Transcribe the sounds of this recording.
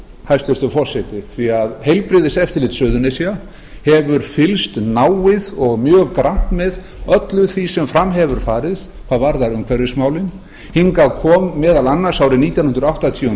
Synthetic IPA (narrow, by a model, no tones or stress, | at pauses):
hajst̪ɛst̪ʏfɔr̥sɛt̪ɪθiaðhejlpɾɪːðɪsɛft̪ɪɾlɪːt̪sœːðʏnɪsja | hɛvʏɾfɪlst̪naːwɪðɔɣmjœːɣkɾan̥t̪mɛð | œt̪lʏθisɛmfɾamɦɛvʏɾ̥faːɾɪð̥ | kʰvaːðvaɾðaɾʏmkʰvɛɾɪsmaːwlɪn | hiŋkakʰɔːmːɛːðalanːḁsaːwɾɪniːt̪jawnhʏnd̪ɾawht̪at̪ʰiu